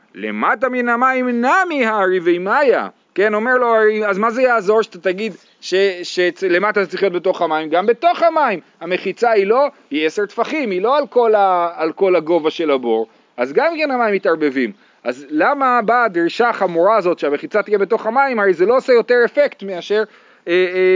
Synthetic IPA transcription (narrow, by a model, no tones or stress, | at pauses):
le̞̰mataminamaimnamihaʁivejmaja̰ | keno̞me̞ʁloaʁejazmazejaːzo̞ʁʃat̪at̪aɡid̪ | ʃeʃet͡sle̞mat̪at̪att͡saʁiχjot̪̚be̞t̪o̞χamaimɡambe̞t̪o̞χhamaim | hame̞χit͡sailo̞ | iese̞ʁt̪faχimilo̞alko̞laːlko̞laɡo̞vaʃe̞labo̞̰ʁ | ʔazɡamikenhamaimːit̪aʁbe̞vim | ʔazlamabad̪ʁiʃaχamuʁaːzo̞t̪ʃeame̞χit͡sat̪ijebe̞t̪o̞χhamaimaʁejzelo̞osejo̞te̞ʁe̞fe̞kt̪meaʃeʁ | e